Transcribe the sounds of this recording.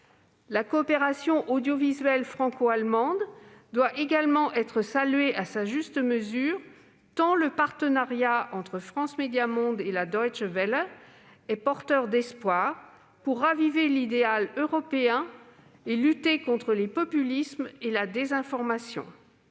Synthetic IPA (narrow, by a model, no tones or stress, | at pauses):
lakɔːpeʁasjɔ̃ʔod̪jɔvizɥɛlfχɑ̃koalmɑ̃d̪d̪waʔeɡalmɑ̃ʔɛt̪χəsalyeʔasaʒyst̪əməzyːʁ | t̪ɑ̃ləpaʁt̪ənaʁjaɑ̃t̪χəfχɑ̃smed̪jamɔ̃d̪elad̪ɔjt͡ʃvɛl | ɛpɔʁt̪œʁd̪ɛspwaːʁ | puʁːavivelid̪ealøʁɔpeɛ̃ | elyt̪ekɔ̃t̪χəlepɔpylismelad̪ezɛ̃fɔʁmasjɔ̰̃